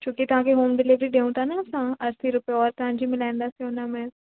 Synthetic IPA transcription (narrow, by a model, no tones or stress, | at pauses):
t͡ʃũːkit̪ɐɦãːkeɦoːmɖɪlɪʋɾiɖeːũt̪anasãɐɾsʰiɾʊpeɔːɾt̪ʊɦãːd͡ʒimɪlaːɪ̃nd̪asiʊnamɛ̃